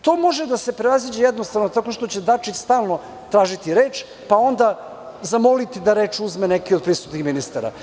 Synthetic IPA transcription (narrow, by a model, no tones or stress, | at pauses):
t̪o̞mo̞ʒe̞d̪ase̞pɾeʋazid͡ʑejed̪nost̪aʋnot̪ako̞ʃt̪o̞t͡ɕe̞d̪at͡ʃit͡ɕst̪aːlˠno̞ | t̪ɾaːʒit̪iɾeːt͡ʃ | pao̞nd̪a | zamo̞lit̪id̪aɾe̞ːt͡ʃuzmene̞kio̞d̪pɾisut̪nixminist̪aɾa̰